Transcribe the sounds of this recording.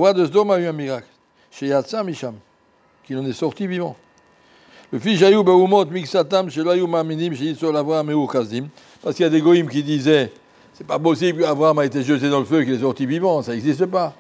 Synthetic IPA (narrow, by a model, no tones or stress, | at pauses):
wad̪əsd̪ɔmayɛ̃miʁakl | ʃejat̪samiʃam | kilɑ̃nɛsɔʁt̪ivivɑ̃ | ləfisʃ̬ajubeumɔt̪miksat̪amʃelajumaːminimʃeisɔlavʁaameuʁkazim | paʁskiljad̪eɡɔimkʲid̪izɛ | sɛpapɔsiblkəabʁaamaet̪eʒøt̪ed̪ɑ̃ləføkilɛsɔʁt̪ivivɑ̃saɛɡzist̪əp̬a